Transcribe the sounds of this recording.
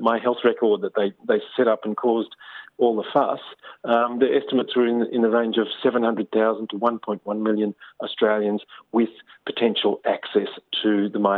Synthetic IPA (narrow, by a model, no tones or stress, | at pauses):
maɪɦɛlˠθɹɛkʰə˞d̪̚ðɨt̪̚ðeɪðeɪsɛɾʌpn̩kʰɔzdɔlˠðəfʌ̰s | ðə˞ʔɛstəmətswə˞ɨ̃nɪ̰̃nðɨɹẽɪ̃nd͡ʒʌv̥sɛvə̃nhʌ̃ndɹɨd̪̚θaʊz̃n̩tʰəwʌ̃npʰɔ̃ɪ̃nʔwʌ̃nmɪlˠjɨ̃nəstɹ̥eɪlˠjɨ̃nzwɪð̥pʰɨ̥tʰɛ̃nʃl̩ˠæksɛstʰɨðəmã